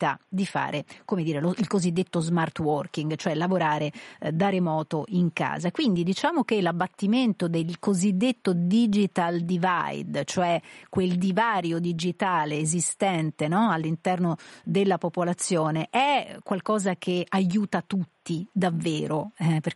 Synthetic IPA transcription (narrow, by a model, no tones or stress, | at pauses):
t̪a̰d̪ifa̰ːɾekomed̪iːɾeloilkozid̪ːet̪ːozmart̪wɔrkiŋɡt͡ʃoɛlːavoɾaːɾed̪aɾemɔːt̪oʔiŋka̰ːzakwind̪id̪it͡ʃaːmok̟elabːat̪ːiment̪od̪elkozid̪ːet̪ːod̪id͡ʒit̪ald̪iva̰jd̪t͡ʃoɛkweld̪ivaːɾjod̪id͡ʒit̪aːleːzist̪ɛnt̪enɔalːint̪ɛrnod̪elːapopolat̪sːjoːneʔɛkːwalkɔːzak̟ʰeajuːt̪at̪ut̪ːid̪avːeːɾoɛper